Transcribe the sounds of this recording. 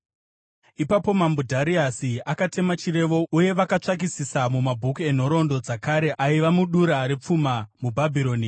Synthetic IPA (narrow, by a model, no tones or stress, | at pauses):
ipapo̞mambudʱaɾiasiakate̞mat͡ʃire̞ʋo̞uje̞ʋakat͡ʂak̬isisamumabʱukue̞n̤o̞ɾo̞ndo̞d͡zakaɾe̞aiʋamuɗuɾaɾe̞p͡fumamubʱabʱiɾo̞ːni